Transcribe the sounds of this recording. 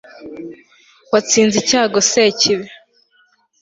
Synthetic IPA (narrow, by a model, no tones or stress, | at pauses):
wat͡siːnzicaːɡoseciβe